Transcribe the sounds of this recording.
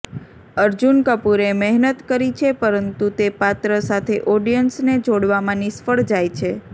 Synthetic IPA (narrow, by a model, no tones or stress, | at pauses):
əɾd͡ʒunkəpuɾemɛɦnət̪kəɾit͡ʃʰepəɾənt̪ut̪epat̪ɾəsat̪ʰeʔɔɖijənsned͡ʒoɽʋamãnisfəɭd͡ʒajt͡ʃʰe